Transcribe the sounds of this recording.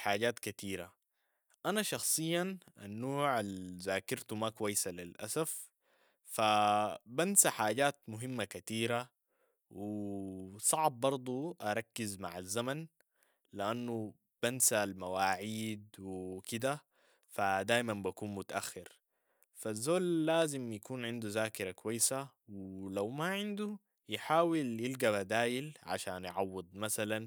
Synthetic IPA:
ħaːɟaːt̪kat̪iːɾa | ʔanaʃɑxsˤɨjːanʔa̰nːoːʕalzaːkɪɾt̪umakwajːsalilʔa̰saf | fabansaħaːɟaːt̪mʊɦimːakat̪iːɾa | wi | sˤɑʕb̚ːɑɾˤd̪ˤuʔaɾˤɑkːizmaʕazːaman | liʔanːu | b̥ansalmawaːʕiːd̪wikid̪a | fad̪aːjmanbakuːnmʊt̪aʔaxːɪɾ | fazːoːlːaːzimjakuːnʕɪnd̪uzaːkɪɾˤakuwajːsawilawmaʕɪnd̪u | jɪħaːwiljilɡabad̪aːjilʕa̰ʃaːnj̰ʕɑwːɨd̪̚ˤmasalan

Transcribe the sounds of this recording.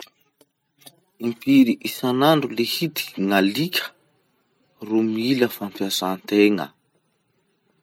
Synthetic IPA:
impiɾiʔisanaɳɖ͡ʐulehit̪i̥ŋalikʲʰə̥ | rumiləfampjasant̪eŋə̰

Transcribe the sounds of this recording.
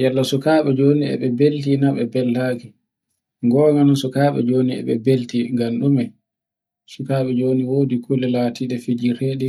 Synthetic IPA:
jalːasɔkaːɓɛd͡ʒoːniɛ̰ɓɛbeltinaɓɛ̰bɛlːaki | ŋɡɔːŋanansɔkaːɓɛ̰d͡ʒoːniɛ̰ɓɛ̰beltiŋɡanɗumɛ | sukaːɓɛd͡ʒoːniwoːdikʰulɛlatiɗɛfid͡ʒiɾɛɗɛ

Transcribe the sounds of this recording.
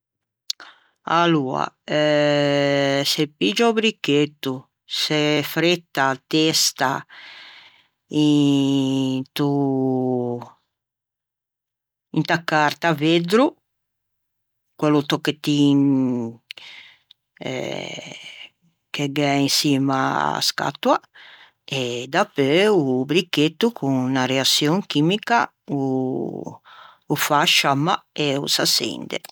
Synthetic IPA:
aluːa̰ɛ | sɛpid͡ʒɔbɾikːet̪ːu | sɛfɾet̪ːat̪est̪a | i | nt̪u | int̪akːart̪aved̪ɾu | kwelːut̪okːet̪ːin | ɛ̰ | keɡɛinsima̰a̰ska̰t̪ːwa | ed̪apːeubɾikːet̪ːukʰuŋnaɾeat̪sːjoŋkimika | u | ufaʃamːa̰eṵsasḛnd̪ḛ

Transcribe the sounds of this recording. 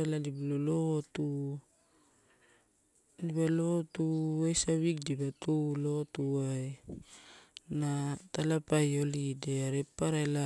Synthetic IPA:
eladiblolotu | dibalotuwajsaβik̚dibatulotuaj | natalapajo̞lideaɾepːaɾala

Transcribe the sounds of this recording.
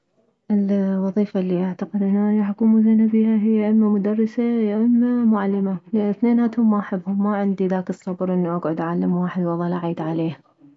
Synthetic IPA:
ʔɪlwɑðˤiːfalːiːʔaʕt̪aqɪd̪ʔɪnːʔanaħʊkuːmʊzanabiːhaɦɪjːaʔaʔɪmːamʊd̪ɑrˤːɪsaʔaʔɪmːamʊʕalːɪmalɪʔanɪθneːnaːt̪hʊmːaʔaħɪbːhʊmːaʕɪnd̪iðaːkɨsˤːɑbɾʔɪnːuʔaɡʕʊd̪ʔaʕalːamwaːħɪd̪wɑlˤːɑlʔaʕiːd̪ʕaleːha

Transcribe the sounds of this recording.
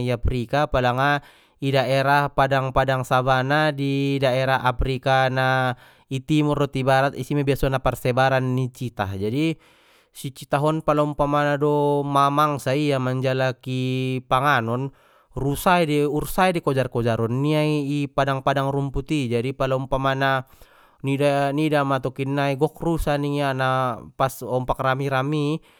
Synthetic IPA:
iapɾikapalaŋa | idaʔɛɾahpadaŋpadaŋsabanadidaɛɾaɦapɾikana | it̪imurɔt̪ibaɾat̪isimabiasɔnaparsɛbaɾanːit͡ʃit̪ad͡ʒadi | sit͡ʃit̪aɦɔnpalɔumpamanadɔmamaŋsaijamaɲd͡ʒalakipaŋanɔn | rusaidɛursaidikɔd͡ʒarkɔd͡ʒaɾɔnːiaiːpadaŋpadaŋrumput̪id͡ʒadipalaumpamana | nidanidamat̪ɔkinːaiɡɔk̚rusaniŋanapasɔmpakramiɾami

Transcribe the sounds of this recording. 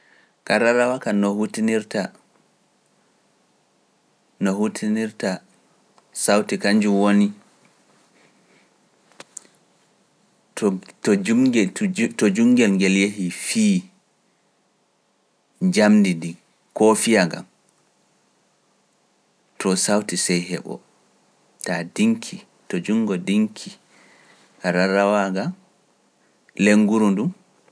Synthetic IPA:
kaɾaɾawakanɔhutiniɾta | nɔɦutʰiniɾta | sawtikaɲd͡ʒumwoni | tɔɡtɔd͡ʒuŋɡɛlŋɡɛljeɦifiː | d͡ʒamndidi | kɔfijaŋɡa̰m | tʰɔsawtisɛjhɛ̰ɓɔ̰ | tadiŋkʰi | tɔd͡ʒuŋɡɔdiŋkʰi | kaɾaɾawaɡam | leŋɡuɾundum

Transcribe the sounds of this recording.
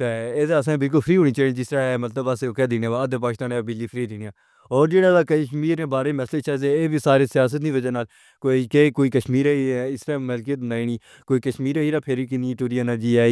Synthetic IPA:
t̪eeːseəsãːbɪlk̬ʊlpʰəɾiːɦoːniːt͡ʃaːĩd͡ʒɪst̪ɾaːɛːmət̪ləbasekɛːd̪ineːʋaəd̪əpaːkɪst̪aːnebɪd͡ʒiːpʰɾiːd̪iːnijãː | ɔːɾd͡ʒeːɽaːd̪aːkəʃmiːɾnẽːbaːɾeːmɛslet͡ʃaːzeeːbiːsaːɾeːsɪjaːs̬ət̪nĩːʋəd͡ʒənaːl | koːikeːkoːiːkəʃmiːɾɛːiɛɪsɾaməlk̬it̪naːiniː | koːikəʃmiːɾeːiːɾaːpʰeɾikɪniʈuːɾijaːnaːd͡ʒiːɛː

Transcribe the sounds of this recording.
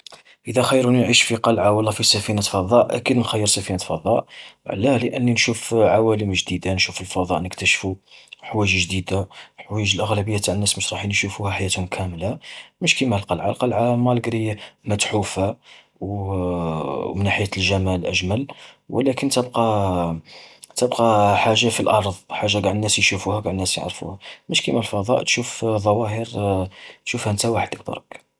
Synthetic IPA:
ʔəd̪æxɑjːəɾunʕiʃfiqɑlʕawəlːæfisæfinat̪fɑðˤːɑʔʔæ̰kid̪nxæjːəɾsæfinæt̪fɑd̪ˤɑʔʕlːæləʔənːinʃufʕawæləmʒd̪id̪anʃufəlfɑd̪ˤɑʔnəkt̪æʃfuħwæʒʒd̪id̪aħwæʒəlʔəɣlæbəjːat̪aʕənːæsməʃɾˤɑħinʃufuhæħajæt̪hʊmkʰæmlaməʃkimæhəlqɑlʕa̰lqɑlʕamæləɡɾimæt̪ħufa | w | mənːaħəjːæt̪lʒæmælʔæʒmælwʔə̰lækənt̪əbqɑ | t̪əbqɑħaʒːafilʔɑɾˤðˤħaʒːaɡaʕd̪ənːæsjʃufuhæɡaʕd̪ənæsjə̰ʕɾfṵhæməʃkimælfɑd̪ˤɑ̰ʔt̪ʃufðˤɑwɑɦəɾ | t̪ʃufhænt̪æwaħəd̪ək̚d̪ɑ̰ɾˤək

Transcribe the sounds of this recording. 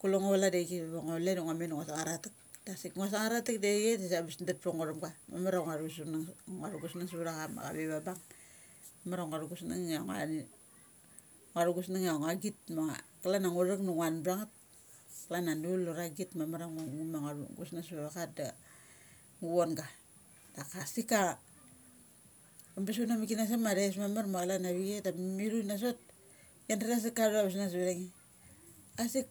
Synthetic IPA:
kuloŋoβaladeɡebeβaŋolenuŋamenŋasaŋaɾatik̚ | dasikŋas̬aŋaɾatikdeɡetasabisndat̚poŋoɾamɡama̰maɾaŋaɾsunaŋŋaɾuɡusnaŋs̬βɾakama̰ka̰beβabaŋ | mamaɾaŋaɾuɡusnaŋaŋa̰ | ŋaɾuɡusnaŋaŋaɡit̚maŋa̰kalanaŋuɾaknuŋanbɾaŋat̚ | kalananulːoɾaɡitmamaɾaŋuŋumaŋaɾṵɡṵsnasβeɾakat̚da | ŋuonɡa | dakasika | ambis̬unamikinas̬amaɾes̬mamaɾmakalanaβiɡetamiɾunas̬ot̚ | jandaɾas̬ikaɾuɾaβasnas̬βeɾaŋi | asik

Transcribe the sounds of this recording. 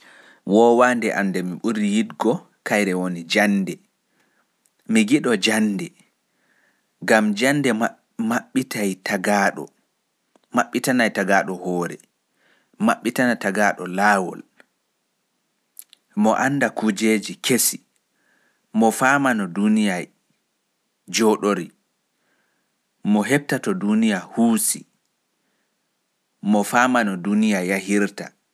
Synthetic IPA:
wɔwandɛʔa̰ndɛmiɓuɾijidɡɔ | kajɾɛwonid͡ʒandɛ | miɡiɗɔd͡ʒandɛ | ɡamd͡ʒandɛ | maɓːitajtaɡaɗɔ̰ | maɓːitanajtaɡaːɗɔhɔːɾɛ̰ | maɓːitanataɡaɗɔlaːwɔ̰l | mɔʔanːdakud͡ʒeːd͡ʒikʰesi | mɔfamanɔdunijaj | d͡ʒɔɗoɾi | mɔɦɛb̚tatɔdunijahuːsi | mɔfaːmanɔdunijaahiɾta

